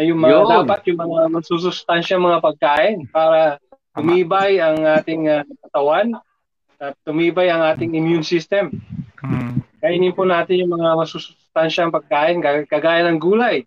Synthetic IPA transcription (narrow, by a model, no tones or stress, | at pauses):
ɐjʊŋmɐad̪aːpɐt̪̚jʊŋmɐŋamɐsus̬ʊst̪anʃɐŋmɐŋapɐɡ̚kaːʔɪnpaːɾɐt̪ʊmiːbɐjɐŋʔaːt̪ɪŋɐɐkɐt̪ɐwan | ʔɐt̪ːʊmiːbɐjɐŋʔaːt̪ɪŋɪmjunsist̪ɛm | kɐʔɪnɪnponaːt̪ɪnjʊŋmɐŋamɐsusʊ̥st̪anʃɐɐŋpɐɡ̚kaːʔɪnkakɐɡaːjɐnɐŋɡuːlɐj